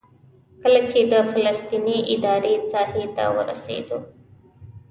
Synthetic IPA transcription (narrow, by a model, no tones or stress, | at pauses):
kəlat͡ʃed̪əfalast̪iniʔɪd̪ɑɾet͡sɑhet̪a̰wə̰ɾa̰sḛd̪o